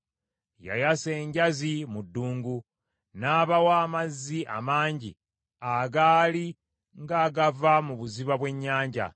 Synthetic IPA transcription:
ja̰jase̞ːɲɟazimudːuːŋɡu | naːβawaːmazːiʔa̰maːɲɟḭ | aɡaːli | ŋɡaːɡavamuβuziβaβwe̞ɲːaːɲɟa̰

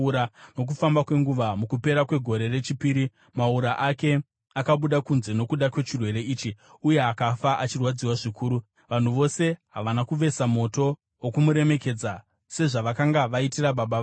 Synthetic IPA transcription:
ɾano̞k̬ufambakwe̞ŋɡuʋamukupe̞ɾakwe̞ɡʱo̞ɾe̞re̞t͡ʃipiːɾi | mauɾaʔake̞ | akaɓuɗakunze̞no̞kuɗakwe̞t͡ʃirwe̞ɾe̞iːt͡ʃi | uje̞akafaʔat͡ʃirwad͡ziwaʐikuːɾu | ʋan̤uʋo̞se̞ɦaʋanakuʋe̞samo̞to̞ | wokumuɾe̞me̞ke̞d͡za | se̞ʐaʋakaŋɡaʋaitiraɓaɓa

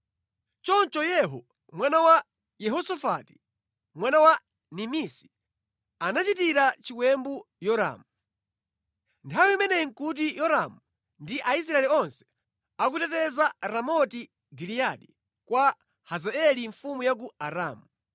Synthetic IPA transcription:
t͡ʃɔnt͡ʃɔjɛɦɔ | mwanawa | jɛɦɔsɔfati̥ | mwanawa | nimisi̥ | anat͡ʃitiɾat͡ʃikwɛmbu | jɔɾa̰ːmu | ntʰawiimɛnɛiŋ̩kut̬ijɔɾamu | ndiʔais̬ɾaɛliɔnsɛ̥ | ak̬utɛtɛzaɾamɔti | ɡilijaɗi | kwa | hazaɛliɱfumujak̬uaɾaːmu

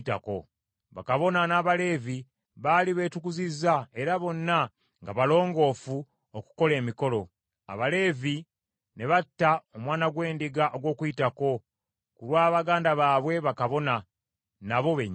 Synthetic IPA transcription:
ta̰ko̞ | βa̰kaβo̞nanaːβale̞ːvi | βaliβe̞ːtukuzizːae̞ɾaβo̞nːa | ŋɡaβalo̞ːŋɡo̞ːfu | oku̥ko̞le̞ːmiko̞lo̞ | a̰βale̞ːvi | ne̞βatːaomwaːnaɡwe̞ːndiɡaʔoɡwo̞ːkuitako̞ | kuɾwaːβaɡaːndaβaβwe̞βakaβo̞na | naβo̞βeɲ

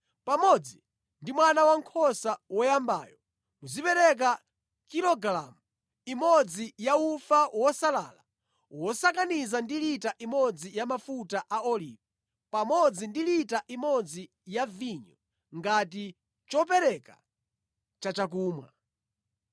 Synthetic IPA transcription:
pamɔd͡zi | ndimwanawaŋkʰɔsawɔjamba̰ːjɔ | muzipɛɾɛk̬a | kiɾɔɡla̰mu | imɔd͡zijaufawɔsala̰ːla | wɔsakanizandilitaʔimɔd͡zijamafutaʔaɔlḭːvɛ | pamɔd͡zindilitaʔimɔd͡zi | javiɲɔ | ŋɡati | t͡ʃɔp̬ɛɾɛka̰ | t͡ʃat͡ʃak̬uːmwa̰

